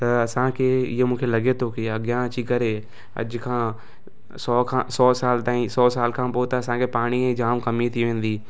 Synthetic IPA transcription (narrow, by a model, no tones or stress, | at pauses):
t̪ɐɐsãːkʰeɪɦemũːkʰelɐɡet̪ʰokɪɐɡjãət͡ʃikɐɾe | ɐ̰d͡ʒkʰãː | sɔːkʰãsɔːsaːlt̪ãːĩsɔːsaːlkʰãːpoːt̪ɐɐsãːkepaːɽ̃iẽd͡ʒaːmkɐmit̪ʰiʋẽːn̆d̪iː